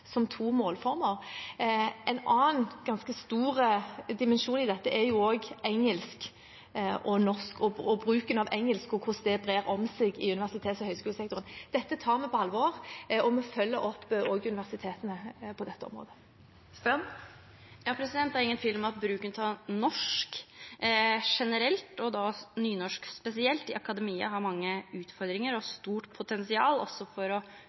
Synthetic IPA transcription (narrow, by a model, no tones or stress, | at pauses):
sɔmt̪ʰuːmoːlfɔɾməʁ | ʔɛɪnɑːnɡ̥ɑnskəst̪uːʁəd̪ɪmɛnʃuːnɪd̪ɛt̪ːəʔɛjʊoːɡʔɛŋːəlsk | ʔɔnɔskɔɔbɾʉːkənɑʋɛŋːəlskɔkʰʊsd̪ɛbʁeːʁɔmseɡɪʉnɪʋæʁsɪt̪ʰeːt̪sɔhœʏskʉːləsɛkt̪ʊʁənd̪̥ɛt̪ːət̪ʰɑːɾmɛpʰɔɑlːʋoːʁɔmɔfœlːəʔɔpːʔoːɡʉnɪʋæʁsɪt̪ʰeːt̪ənəpʰɔd̪ɛt̪ːəɔ̰mɾo̰ːd̪ə | st̪ɛn | jɑːpʰɾɛsɪd̪ɛnt̪ːæɾɪŋːənfɪlmɑt̪̚bɾʉːkənt̪ʰɑnɔʂk | ʂɛnəɾɛlt̪ɔd̪ɑnyːnɔʂkspɛsɪɛlt̪ɪʔɑkɑd̪ɛmiːə̰ɦɑɾmɑŋːəʉːt̪fɔɾd̪ɾɪŋəɾɔst̪uːʈpʰʊt̪ɛnsɪɑːlɔ̰sːɔfɔɾɔ